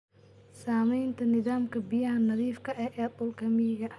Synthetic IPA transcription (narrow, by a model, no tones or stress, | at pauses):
saːmɛjnt̪ʰɐnɪðaːmkʰɐbɪjɐhɐnɐðiːfkʰɐʔɛːʔɛːt̪ʼʊlkʰɐmiːɣɐ